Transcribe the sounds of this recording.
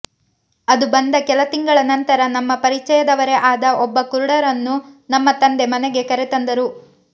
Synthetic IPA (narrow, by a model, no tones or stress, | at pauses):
ɐd̪ubɐnd̪ɐkɛlɐt̪iŋɡɐɭɐnɐnt̪ɐɾɐnɐmːɐpɐɾit͡ʃɐjɐd̪ɐʋɐɾe̞ʔaːd̪ɐʔɔbːɐkuɾuɽɐɾɐnːunɐmːɐt̪ɐnd̪e̞mɐnɛɡe̞kɐɾet̪ɐnd̪ɐɾu